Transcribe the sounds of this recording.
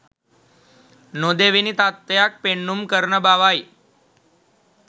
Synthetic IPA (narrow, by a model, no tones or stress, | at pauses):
nod̪eʋinit̪at̪ːjak̚peɳːumkəɾnəbaʋaj